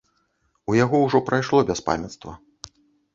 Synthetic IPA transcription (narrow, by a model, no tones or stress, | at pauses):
ujaɣɔwʐɔpɾajʂlˠɔbʲɛspa̰mʲɐt̪st̪vɐ